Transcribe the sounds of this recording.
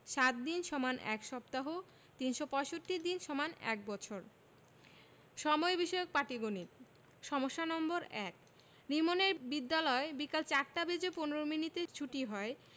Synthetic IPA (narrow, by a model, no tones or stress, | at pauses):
ʃat̪̚d̪inʃɔmanʔɛ̰kʃɔpt̪aɦo | t̪inʃopɔeʃoʈːid̪inʃɔmanɛ̰k̚bɔt͡ɕʰoɾ | ʃɔmɔebiʃɔeok̚paʈiɡonit̪̚ | ʃɔmoʃːanɔmboɾɛk̚ | nimoneɾbid̪ːalɔebikalt͡ɕaɾʈabed͡ʑoponoɾominit̪et͡ɕʰuʈiɦɔe